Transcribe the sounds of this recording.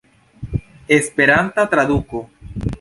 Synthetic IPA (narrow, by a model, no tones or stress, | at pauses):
espeɾanθat̪ɾaðuko